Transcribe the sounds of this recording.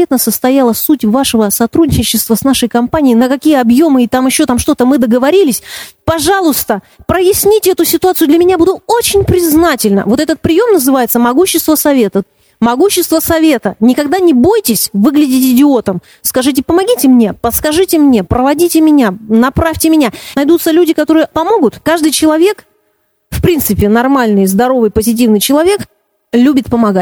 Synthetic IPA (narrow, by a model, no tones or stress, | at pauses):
et̪nəsəst̪ɐjalˠəsutʲvaʂɨvəsɐt̪ɾudʲnʲɪɪt͡ɕɪst̪vəsnaʂəjkɐmpanʲɪɪnəkɐkʲijəɐbjo̞mɨɪt̪amɪɕːo̞t̪amʂt̪o̞t̪əmɨd̪əɡəvɐɾʲilʲɪsʲpɐʐalˠʊst̪ə | pɾəjɪsʲnʲitʲɪɛt̪ʊsʲɪt̪ʊat̪sɨʊd̪lʲɐmʲɪnʲabud̪ʊto̞t͡ɕɪnʲpɾʲɪznatʲɪlʲnə̰vo̞t̪ɛt̪ət̪̚pɾʲɪjo̞mnəzɨvajɪt̪səmɐɡuɕːɪst̪vəsɐvʲe̞t̪ə | mɐɡuɕːɪst̪vəsɐvʲe̞t̪ənʲɪkɐɡd̪anʲɪbo̞jtʲɪsʲvɨɡlʲɪdʲɪtʲɪdʲɪo̞t̪əm | skɐʐɨt̬ʲɪpəmɐɡʲitʲɪmnʲe̞pəskɐʐɨtʲɪmnʲe̞pɾəvɐdʲitʲɪmʲɪnʲanɐpɾafʲtʲɪmʲɪnʲanɐjd̪ut̪səlʲudʲɪkɐt̪o̞ɾɨjəpɐmo̞ɡʊt̪kaʐd̪ɨjt͡ɕɪlˠɐvʲe̞k | fpɾʲint̪sɨpʲɪnɐrmalʲnɨjzd̪ɐɾo̞vɨjpəzʲɪt̬ʲivnɨjt͡ɕɪlˠɐvʲe̞k | lʲubʲɪt̪̚pəmɐɡat̚ʲ